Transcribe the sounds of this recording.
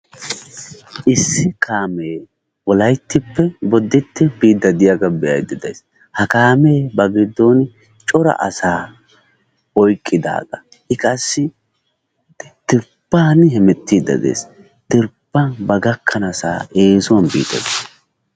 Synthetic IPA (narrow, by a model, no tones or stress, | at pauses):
ʔɪsːɪkʰaːmeː | wɔlɐjt̪ːɪpːɛbɔd̪ːɪt̪ːɪbiːd̪ɐd̪ɪjaɡɐbɛjɐ̰jd̪ɪd̪ɐjs | hɐkaːmeːbɐɡɪd̪ːɔn | t͡ʃʼɔɾɐ̰ʔɐ̰saː | ɔjkʼːɪd̪a̰ːd̪ɐ | ɪkʼɐsːɪ | t̪ɪɾpːaːnhɛmɛt̪ːiːd̪ɐ̰d̪ḛːs | t̪ɪɾpːɐnbɐɡɐkʰːɐnɐsa̰ːeːsʊwɐnbḭːd̪ɐ̰d̪eːs